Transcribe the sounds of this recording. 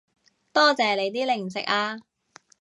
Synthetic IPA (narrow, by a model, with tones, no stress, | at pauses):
t̪ɔː˥t͡sɛː˨˧le˨˧jt̪iː˥lɪ˨˩ŋsɪ˨k̚aː˧